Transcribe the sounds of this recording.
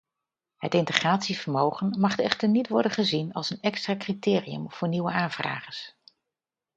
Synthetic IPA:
ɦətɪntəχraːtsiv̥əɹmowχənmɑχtɛχtəɹnitʋɔɹdənχəzinɑlˠsənɛkstraːkritɪːriə̰mv̥ʊːɹniwəaːnv̥ra̰ːχəs

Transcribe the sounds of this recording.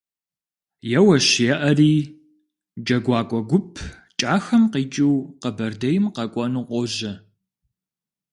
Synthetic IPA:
jɛwɐɕɪjɛʔɐriː | d͡ʒɐɡʷɑːkʷʼɔɡʷʊpʰ | t͡ʃʼaːxɐmqiːt͡ʃʼiwqɐbɐrdɐjɪmqɐkʷʼɔnuqʷɔʑɐ

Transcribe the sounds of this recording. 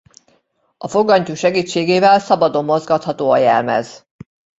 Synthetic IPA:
ɒfo̞ɡːɒɲcuʃɛɡiːt͡ʃːeːɡeːvɛlsɒbɒd̪o̞mːo̞zɡɒt̪hɒt̪oːɒjɛ̰lmɛ̰z̥

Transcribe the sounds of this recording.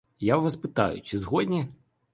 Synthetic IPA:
jaʋɐspɪt̪ɑ̰jʊ̰t͡ʃɪzɦɔdʲnʲi

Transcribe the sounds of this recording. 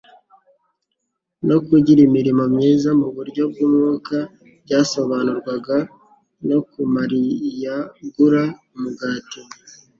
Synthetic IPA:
no̞kuɟiɾimiɾimomɲiːzamuβuɾɟo̞b̚ɡuːmŋuːka | bɟaːso̞βanuɾɡwaɡa | no̞kumaɾijaɡuɾa | muɡaːti

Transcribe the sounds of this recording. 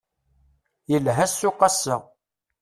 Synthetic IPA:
jəlɦæsːʊqːɑsːæ

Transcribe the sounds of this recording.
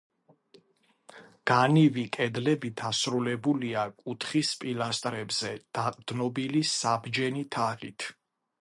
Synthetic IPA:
ɡ̥anivikʼɛd̪lɛbid̪asɾulɛbuliakʼut̪ʰχispʼilast̪ʼɾɛbz̥ɛd̪̥aqʼd̪̥nɔbilisabd͡ʒɛnit̪ʰaʁit̪ʰ

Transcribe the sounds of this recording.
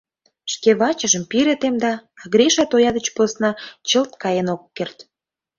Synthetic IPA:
ʃkeβɑt͡ɕə̆ʒə̆mpiɾĕt̪emd̪ɑːɣɾʲeʃɑt̪ojɑd̪ə̆t͡ɕposnɑt͡ɕəlt̪kɑjenokːert̪

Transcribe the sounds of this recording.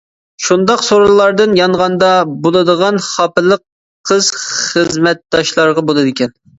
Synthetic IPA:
ʃund̪ɑqsoɾlˠɑɾd̪ɨnjɑɴʁɑnd̪ɑbolˠɨd̪əʁɑnχɑpɨlˠːəqʰː | əz̥χəzzmɛt̪̚d̪ɑʃlˠɑɾʁɑbolˠɨd̪ɪkʲɛn

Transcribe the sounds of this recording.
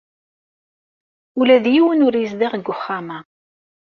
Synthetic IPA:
ulæðjiwənʊɾjəzðaʁɡːʊχːamæ

